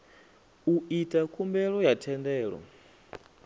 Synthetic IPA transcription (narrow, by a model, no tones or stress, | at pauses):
uitʼakʰʼumbɛɺɔjatʰɛndɛːɺɔ̰